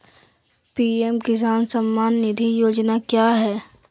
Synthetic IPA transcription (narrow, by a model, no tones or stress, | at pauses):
piːɛmkɪs̬aːnsəmːaːnːɪd̪ʱijoːd͡ʒnakjaːɦɛː